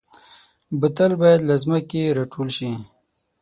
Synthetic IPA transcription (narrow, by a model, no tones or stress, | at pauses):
bət̪əlbajad̪lazməkeɾaʈʰolʃi